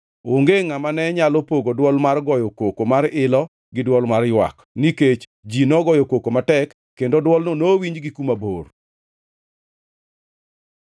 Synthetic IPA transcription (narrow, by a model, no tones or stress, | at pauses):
oŋɡeŋamanɛɲalopoɡodwɔlmarɡɔjɔkokomaɾɪlɔ | ɡɪdwɔlmarjwa̰k | niket͡ʃ | d͡ʒinɔɡɔjokokomatɛkːendodwɔlnonowiɲd͡ʒɡikumabor